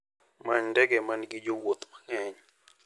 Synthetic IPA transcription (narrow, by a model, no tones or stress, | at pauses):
maɲndɛɡɛmanɡɪd͡ʒowot̪makɛɲ